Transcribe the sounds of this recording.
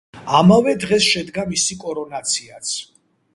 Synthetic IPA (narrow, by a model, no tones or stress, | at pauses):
amavɛd̪ʁɛsʃɛd̪ɡamisikʼɔɾɔnat̪sʰiat̪sʰ